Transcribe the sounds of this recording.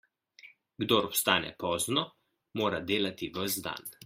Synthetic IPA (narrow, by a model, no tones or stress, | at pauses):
ɡd̪oɾɔpst̪aːnɛ̰pɔːznɔ | moːɾad̪eːlat̪iʋəzd̪a̰n